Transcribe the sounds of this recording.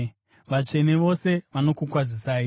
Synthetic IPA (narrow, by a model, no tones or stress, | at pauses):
ʋat͡ʂe̞ne̞ʋo̞se̞ʋano̞kukwazisaːi